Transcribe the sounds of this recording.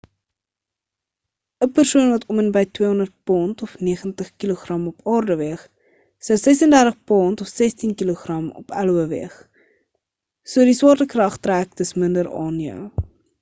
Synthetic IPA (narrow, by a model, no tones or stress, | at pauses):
əpərsuənvɐtɔmənbəjtwiəɔndərt̚pɑːntɔfniəχəntəχkiloχrɐmɔpɑːrdəviəχ | səwsɛsəndærtəχpɑːntɔfsɛstinkiloχrɐmɔ̰pæluəvḭəχ | suədiswɑːrtəkrɐχtræːk̚təsməndəɾɑ̰ːnjœ̰w